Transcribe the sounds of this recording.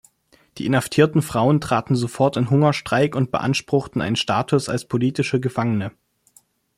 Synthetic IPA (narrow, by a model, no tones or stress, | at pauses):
d̥ḭːʔɪnhaftʰiːɐtn̩fʁ̥aʊəntʁ̥aːtn̩zofɔɐtɪnɦʊŋɐʃtʁ̥aɪkʊnt̚b̥ə̰ʔa̰nʃpʁ̥ʊxtn̩ʔa̰ɪnənʃta̰ːtʰʊsa̰lspʰoliːtɪʃəɡəfaŋənə